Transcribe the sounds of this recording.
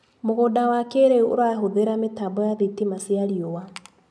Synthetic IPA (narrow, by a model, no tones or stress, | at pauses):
moɣodawakeɾeuo̰ɾwaɦoðeɾametabɔjaðetimasiaɾiowa